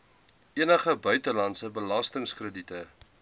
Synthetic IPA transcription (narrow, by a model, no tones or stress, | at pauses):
ʔiənəχəbœɥtəlɐntsəbəlɐstəŋskrəditə